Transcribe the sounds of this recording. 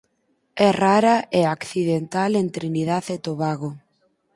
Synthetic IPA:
ɛraɾaʔeakθiðent̪alent̪ɾiniðaðet̪oβaɣo

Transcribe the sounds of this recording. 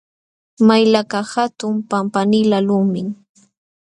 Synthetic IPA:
majlakahat̪ʊmpampanɪlalʊmɪŋ

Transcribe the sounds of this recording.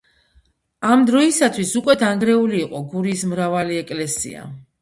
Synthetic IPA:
amd̪ɾɔisat̪ʰwisukʼwɛd̪ʰaŋɡɾɛuliːqʼɔɡuɾiːsmɾavaliɛkʼlɛsḭa̰

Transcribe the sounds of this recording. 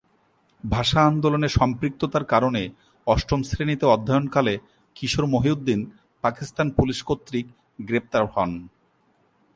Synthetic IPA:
bʱaʃaand̪oloneʃɔmpɾik̚t̪ot̪aɾkaɾone | ɔʃʈomsɾenit̪eɔd̪ʱːajonkale | kiʃoɾmoɦiud̪ːin | pakist̪anpuliʃkot̪ːɾik | ɡɾep̚t̪aɾhɔn

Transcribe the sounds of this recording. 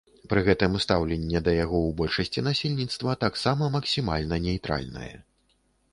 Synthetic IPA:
pɾɨɣɛt̪ɨmust̪awlʲɛnʲːɛd̪ɐjaɣɔwbɔlʲʂɐsʲt͡sʲinasʲelʲnʲit̪st̪vɐt̪aksamɐmɐksʲima̰lʲnɐnʲɛjt̪ɾa̰lʲnɐ̰jɛ̰

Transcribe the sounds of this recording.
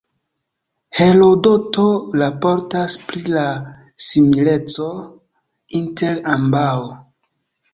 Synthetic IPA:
he̞lo̞do̞tolapo̞ɾtaspɾila | simile̞t͡so̞ | inte̞lambawo

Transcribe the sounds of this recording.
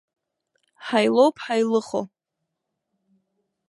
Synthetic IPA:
ħajlowpʰʼħajlɨχo

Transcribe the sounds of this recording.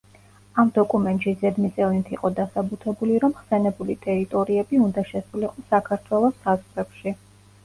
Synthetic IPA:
amd̪ɔkʼumɛnt̪ʼʃizɛd̪mit̪sʼɛvnit̪ʰiqʼɔd̪asabut̪ʰɛbuliɾɔmχsɛnɛbulit̪ʼɛɾit̪ʼɔɾiɛbiund̪aʃɛsuliqʼɔsakʰaɾt̪ʰwɛlˠɔsazʁɾɛpʃi

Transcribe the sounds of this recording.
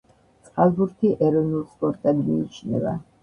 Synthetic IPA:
t̪sʼχalˠbuɾt̪ʰiʔɛɾɔnulˠspʼɔɾt̪ʼɛd̪ḭit͡ʃʰnɛ̰ba

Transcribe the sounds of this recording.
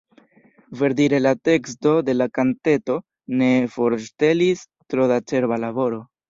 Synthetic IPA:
ve̞ɾdiɾe̞late̞ksto̞de̞lakante̞to̞ | ne̞fo̞ɾste̞lis | tɾo̞dat͡ʃe̞ɾbalaβo̞ɾo̞

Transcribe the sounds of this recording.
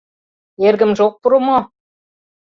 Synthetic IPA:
erɡɘ̆mʒok̚puɾumo

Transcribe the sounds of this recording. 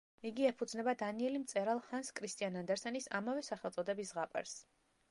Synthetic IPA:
iɡiɛpʰud̪znɛbad̪aniɛlimt̪sʼɛɾalˠhanskʼʰɾist̪ʼianand̪ɛɾsɛnisa̰mavɛsaχɛlt̪sʼɔd̪ɛbisʁapʼɛ̰ɾs

